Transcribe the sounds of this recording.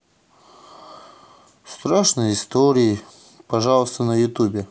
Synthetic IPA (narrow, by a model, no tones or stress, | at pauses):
st̪ɾaʂnəjɪst̪oɾʲɪɪ | pɐʐalˠəst̪ənəjʊt̪ubʲɪ